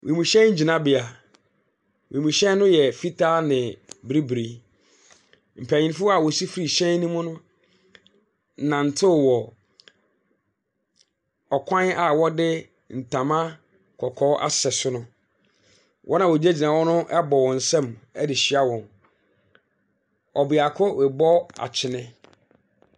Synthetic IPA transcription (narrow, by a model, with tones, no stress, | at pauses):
wʔẽ˨mũ˨ɕɛ̃˦ɲ̩˦d͡ʑi˨nã˨bɪ˨a˨ | wẽ˨mũ˨ɕɛ̃˦n˦nʊ̃˦jɛ˨fi˦tʰa˦nɪ̃˨bɾi˦bɾi˨ | m̩˨pʰæ˨ɲĩ˨n˦fʊ˦a˨wɔ˨si˦fi˦ɾi˨ɕɛ̃˦n˦nĩ˦mʊ̃˦nʊ̃˦ | nã˨n̩˨tʰɪ˦˨wɔ˨ | ɔ˨kʷʰã˦na˨wɔ˦dɪ˦ | n̩˨tʰã˨mã˦ | kʰɔ˨kʰɔ˦ʔa̰˦sɛ˨sʊ˦nʊ̃˦ | wʔɔ˦nã˨wo˨d͡ʑe˦d͡ʑi˨nã˨wɔ˦nʊ̃˦ʔɛ˦bɔ˨wɔ̃˨n̩˨sɛ̃˦˨mɛ˦dɪ˨ɕɪ˦a˦wɔ̃˨n | ɔ˨bɪ˨a˨kʰʊ˦wɛ˨bɔ˦a̰˨t͡ɕʰɪ˨nɛ̃˦